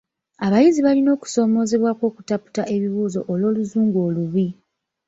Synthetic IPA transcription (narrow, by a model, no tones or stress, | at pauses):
aβajiziβalino̞ːku̥so̞ːmo̞ːze̞βwakwo̞ːku̥tapu̥taʔe̞βiβuːzo̞ʔolo̞ːluzuːŋɡoːluβi